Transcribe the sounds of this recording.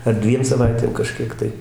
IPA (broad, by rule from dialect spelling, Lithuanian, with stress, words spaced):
ɐr ˈdʲʋʲiɛm sɐˈʋɐɪtʲeːm kɐˈʃʲkʲiɛk tɐɪ